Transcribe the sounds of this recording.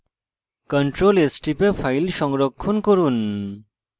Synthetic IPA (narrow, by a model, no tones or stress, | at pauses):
kəɳʈɾolesʈipepʰajlʃɔŋɡɾɔkʰːunkɔɾun